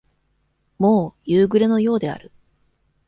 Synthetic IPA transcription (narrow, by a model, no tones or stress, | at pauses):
mo̞ːjɯːɡɯ̟ɾe̞no̞jo̞ːd̪e̞a̰ɾɯ̟